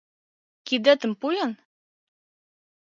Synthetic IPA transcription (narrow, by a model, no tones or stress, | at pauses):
kid̪æt̪ɘ̆mpujɑn